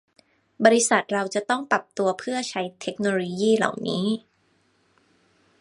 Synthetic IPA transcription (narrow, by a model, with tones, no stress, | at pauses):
bɔː˧ɾi˦˥sa˨˩t̪̚ɾa˧wt͡ɕa˨˩t̪ɔ˥˩ŋpɾa˨˩p̚t̪u˧ɐpʰɯ˥˩ɐt͡ɕʰa˦˥jt̪ʰe˦˥k̚noː˧lo˧jiː˥˩la̰˨˩wniː˦˥